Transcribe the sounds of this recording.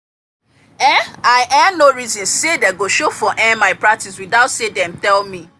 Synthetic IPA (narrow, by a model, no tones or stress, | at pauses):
ɛ̃aɪʔɛnoɹizɔ̃nsedɛɡoʃofɔʔɛ̃nmaɪpɹak̚tiswidaʊtsedɛ̃mtɛlmi